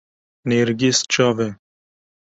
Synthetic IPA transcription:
neɾɡist͡ʃɑːvɛ

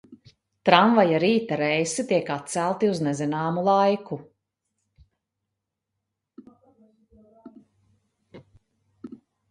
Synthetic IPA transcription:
t̪ɾaɱvajaɾiːt̪aɾɛjsit̪iɛkat̪̚sælˠt̪iuznɛzinaːmulˠajkʰu

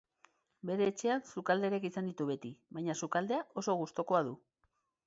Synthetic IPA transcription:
be̞ɾe̞ːt͡ʃe̞ansukald̪e̞ɾekisand̪it̪uβe̞t̪iβajɲasukald̪e̞aʔo̞so̞ɣ̞ust̪o̞ko̞aðu

